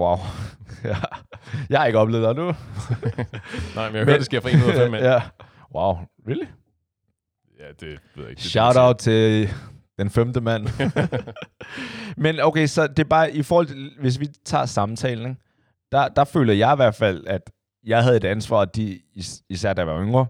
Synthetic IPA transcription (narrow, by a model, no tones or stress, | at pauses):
wɑʊæjɑ̈ɪɑe̝ɡ̥əɒble̝ːð̩ˠɑnu | nɑɪ̰mnjameø̰ɐdese̝ɐfʁinnuejæ | wɑ̈ʊʋiɡ̥i | æd̥e̥eðˠɕɑ̈ʊɾäʊd̥̚t͡sʰe̝ | d̥enfemd̥əmæn̰ | menoʊkʰesɒ̽d̥e̝b̥ɑ̈ːʔifɔːhɒ̽lt͡sʰe̝ʋe̝s̬ʋit͡sʰɑ̰̈ːsɑ̈mt͡sʰɛ̰ːln̩e | d̥ɑ̈d̥ɑ̈fø̰ːlɐjɑ̈ɪiʋæɐ̰d̥fæl̰æd̥ | jɑ̈ɪɦæð̞̩ˠe̝d̥ænsʋɑ̰̈ːd̥iisæɐ̰d̥æʋæɐøŋɐ